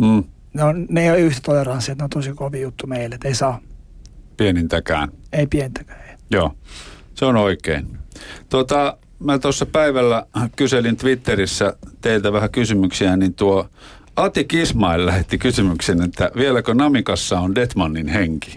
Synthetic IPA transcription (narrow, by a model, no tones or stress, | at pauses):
mm̩ː | neonneijolyht̪æ̥t̪olerɑnsːiet̪neont̪osikoʋiːjut̪ːumeilːet̪eisɑː | pienint̪ækæ̰ːneipienint̪ækæ̥ːe̥ijoːseonoikeint̪uot̪ɑ | mæt̪osːɑpæiʋælːækyselint̪ʋit̪ːerisːæt̪eilt̪æʋæhækysymyksiænint̪uo | ɑt̪ikismɑillæhet̪ːikysymyksenet̪ːæʋielækønɑmikɑsːɑondet̪mɑnːinheŋki̥